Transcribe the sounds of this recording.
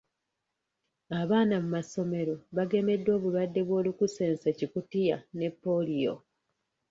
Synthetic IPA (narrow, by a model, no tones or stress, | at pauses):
aβaːnamumaso̞me̞ɾo̞βaɡe̞me̞dːo̞ːβulwadːe̞βwo̞ːlukuse̞ːnsecikutija̰ne̞pːo̞lijo̞̰